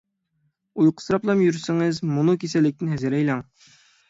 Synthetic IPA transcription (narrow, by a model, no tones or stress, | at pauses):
ujqʰə̥sɾɑplˠɑmjyɾsɪŋɨzmunukʲʰesɛlɪk̚ʲt̪ɪnhɛzɪɾɛjlˠɑŋ